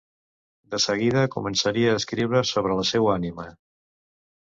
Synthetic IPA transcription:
d̪əsəɣ̞iðəkumənsəɾiəːskɾiwɾəsoβ̞ɾələsɛwanimə

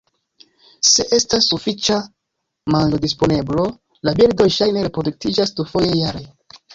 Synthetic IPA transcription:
se̞ʔe̞stasːufit͡ʃa | manodispo̞ne̞blo̞ | labiɾdo̞jʃajne̞ɾe̞pɾo̞duk̚tid͡ʒasdufo̞jejaɾe

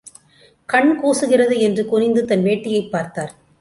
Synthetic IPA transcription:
kɐɳkuːsɯɣɪrɐðɯɛndrɯkʊɾɪnd̪ɯt̪ɐnʋeːʈːɪjɐɪpːaːɾt̪aːɾ

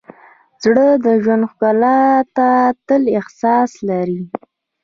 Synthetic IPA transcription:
z̥ɽəd̪əʒwand̪xɡalat̪at̪əlɪhsɑslaɾi

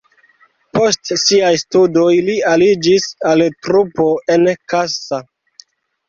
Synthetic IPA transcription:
po̞stsiajstudo̞jlialid͡ʒisaltɾupo̞e̞nkasa

